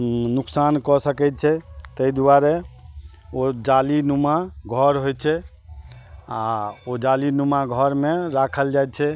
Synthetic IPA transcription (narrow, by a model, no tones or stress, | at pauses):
nuksankɔsəkɛt̪t͡ʃʰɛt̪əid̪uaɾe | od͡ʒalinumaɡʱɔɾɦojt͡ʃʰɛ | aod͡ʒalinumaɡʱɔɾmeɾakʰəld͡ʒaj̪t͡ʃʰɛ